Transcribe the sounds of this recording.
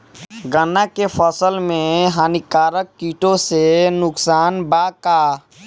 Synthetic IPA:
ɡənakepʰəsəlmẽɦaːnikaːɾəkːiːʈõsenʊksaːnbaːkaː

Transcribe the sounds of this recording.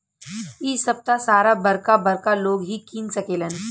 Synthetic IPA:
iːsəp̚t̪asaɾabəɾkabəɾkaloɡɦiːkiːnt͡səkelən

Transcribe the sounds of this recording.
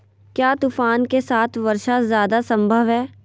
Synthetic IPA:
kjaːt̪uːfaːnkesaːt̪ʰʋɐɾʃazjaːd̪asə̃mbʱəʋɦɛː

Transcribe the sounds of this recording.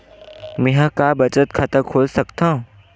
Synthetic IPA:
mẽɦãkabɐt͡ʃət̪kʰɐt̪əɾkʰoːlsɐkt̪aːɦũ

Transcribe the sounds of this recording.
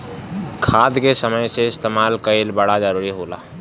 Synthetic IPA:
kʰaːd̪kesəməjseɪst̪emaːlkəelbəɽad͡ʒəɾuɾiɦoːlaː

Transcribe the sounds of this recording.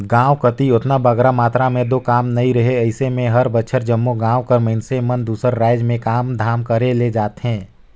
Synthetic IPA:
ɡãːwkət̪iʊt̪nabɐɡɾamaːt̪ɾamẽd̪oːkaːmnɐĩɾɐɦeɐɪsemẽɦɐɾbətːʃʰəɾd͡ʒɐmːoɡãːwkɐɾməɪnsemɐnd̪uːsəɾːaːɪd͡ʒmẽkaːmd̪ʱaːmkɐɾeled͡ʒaːt̪ɦɛ̃ː

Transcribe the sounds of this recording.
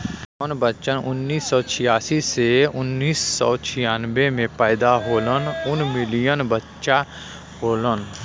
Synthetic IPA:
ɔnbətːt͡ʃənʊnːiːsːɔːt͡ʃʰɪjaːsiseʊnːiːsːɔːt͡ʃʰɪjaːnbemẽpɛːd̪aɦoːlənʊnmɪlijənbətːʃa | hoːlən

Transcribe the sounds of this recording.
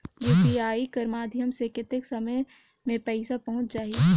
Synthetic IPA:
juːpiaːikɐɾmaːd̪ʱjəmsekɪt̪ɪksɐməj | mẽpɛɪsapɐɦʊ̃t͡ʃd͡ʒaːɦie

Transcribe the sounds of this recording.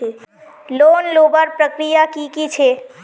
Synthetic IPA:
e | lonloːbəɾpɾəkɾijakikit͡ʃʰe

